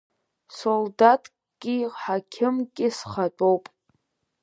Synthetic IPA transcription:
soldatʰʼ | ɡʲʼiħakʲʰɪmkʲʼɪsχatʼowpʼ

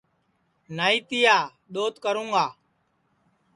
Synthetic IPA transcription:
naːiːt̪ɪːjaː | ɗ̪oːt̪kəɾũːŋɡaː

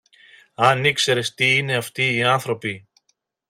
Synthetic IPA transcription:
ɐnikse̞ɾe̞st̪iine̞ɐft̪iːɐnθɾo̞pi

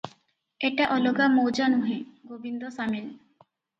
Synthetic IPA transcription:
eʈaʔɔloɡamowd͡ʑanuɦeɡobind̪osamel

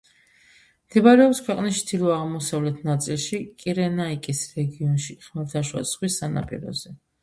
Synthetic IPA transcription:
mt̪ʰɛbaɾɛɔpskʰwɛqʼnist͡ʃʰd̪ilˠɔaʁmɔsavlɛt̪ʰnat̪sʼilˠʃikʼiɾɛnaikʼisɾɛɡiɔnʃiχmɛlt̪ʰaʃwa̰sχwisːana̰pʼḭɾɔ̰zɛ

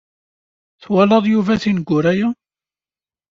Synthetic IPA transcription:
θwælɑðˤjuvæθinɡʷːʊɾæjæ

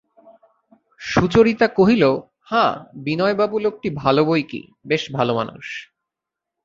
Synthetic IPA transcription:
ʃut͡ɕoɾit̪akoɦilo | hãbinɔebabulok̚ʈibʱalobojkḭ | beʃbʱaloma̰nṵʃ

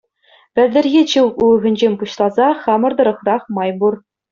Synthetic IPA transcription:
pʲɘ̆lʲd̪ʲɘ̆rɣʲet͡ɕɯwuɤ̆ɣʲɘ̆nʲʑemʲpuɕlˠɑzɑχɑmɤ̆rd̪ɤ̆ɾɤ̆χrɑχmɑjbur

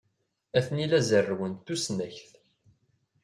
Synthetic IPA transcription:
æθnilæzərːwənt̪ːusnæçθ

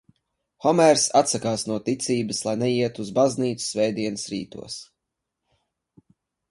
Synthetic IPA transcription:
xɔmɛɾsat̪sakaːsnuɔt̪it̪siːbɨslˠajnɛjiɛt̪uːzbazniːt̪su̥svɛjd̪iɛnɨsɾiːt̪ṵɔs

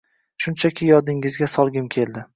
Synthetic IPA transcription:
ʃʊnt͡ʃʰakʲʰɪjɒd̪ɪŋɪzɡʲasɒlˠɡʲɪmkʲʰe̞lˠd̪ɪ

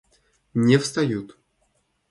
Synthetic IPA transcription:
nʲefst̪ajut̪

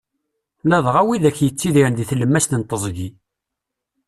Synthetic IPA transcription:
læðˤʁæwiðæçjət͡sːiðiɾnðiθləmːæst̪ənt̪ˤːəzˤɡi

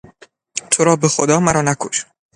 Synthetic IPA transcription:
t̪ʰoɾɒːbexod̪ɒːmæɾɒːnækʰoʃ

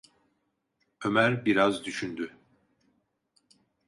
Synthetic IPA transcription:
ømæɾbiɾazd̪yʃynd̪y

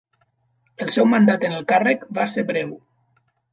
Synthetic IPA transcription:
əlˠsɛwmand̪at̪ənəlˠkarəkbaseɾβɾɛw

